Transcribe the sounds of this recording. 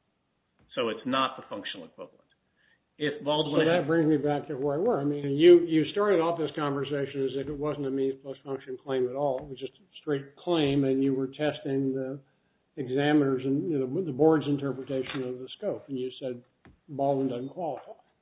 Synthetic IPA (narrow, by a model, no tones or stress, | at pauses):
soʊɨtsnət̪̚ðəfʌ̃ŋkʃnl̩ˠə̰kʰw̥ɪ̰vl̩ˠə̰̃nt | ɪfbɔlˠdðɨt̚b̥ɹɪ̃ŋzmibæk̚tʰɨwə˞aɪwə˞aɪmĩnjɨjɨstɑɹɾɨɾɔt̪̚ðɪskɑ̃ɱvə˞s̬eɪʃɨ̃nɨzɨfɨt̚wʌzn̩tɨmĩnz̥pʰl̥ʌsfʌ̃ŋkʃɨ̃n̩kʰl̥ẽɪ̃mɨɾɔlˠt̚wʌd͡ʒʌst | stɹ̥eɪt̚kʰl̥ẽɪ̃mɨ̃njɨwə˞tʰɛstɪ̃ŋði | ɨɡzæmənə˞zɨ̃nðəðəbɔɹdzɨ̃ntʰɜ˞pɹɨtʰeɪʃɨ̃nʌvðəskoʊpɨ̃n̩jɨsɛd̚ | bɑlˠə̃n̩dʌdⁿn̩kʰw̥ɑlˠəfaɪ